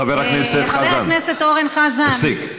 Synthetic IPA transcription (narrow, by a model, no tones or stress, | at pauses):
aveʁlakneset̪χazanneset̪oʁenχazafsik